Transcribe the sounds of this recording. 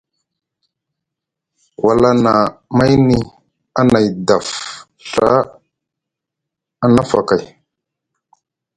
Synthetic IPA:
wa˨la˦na˨ma˦jni˦ | a˦na˨jda˨f | ɬa˦ | a˦na˦fa̰˨ka˨j

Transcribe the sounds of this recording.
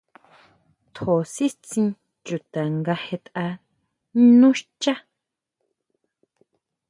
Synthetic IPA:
t̪ʰo˨si˦t͡sĩ˧ | t͡ʃu˨t̪a˨ŋɡa˧he˧t̪a˧˦ | nũ˦ʃt͡ʃa˦

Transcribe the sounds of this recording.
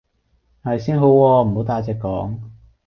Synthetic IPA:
hɐ˨jsiː˥nɦo˨˥wwɔː˧m̩˨˩ho˨˥t̪aː˧jt͡sɛː˨˧kːɔ̰ː˨˥ŋ

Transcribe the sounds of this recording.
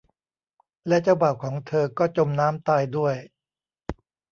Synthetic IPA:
lɛ˦˥t͡ɕa˧wbaː˨˩w̚kʰɔː˩˦ŋt̪ʰɤː˧kɔː˥˩t͡ɕo˧mnaː˦˥mt̪aː˧jdu˥˩əj

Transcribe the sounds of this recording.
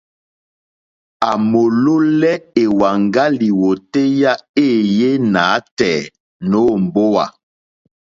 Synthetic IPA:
a˨mo˨lo˦lɛ˦e˨wa˨ŋɡa˦li˨wo˨te˦ja˦e˦˨je˦naː˨˦tɛː˨ | no˦m˨bo˦wa̰˨

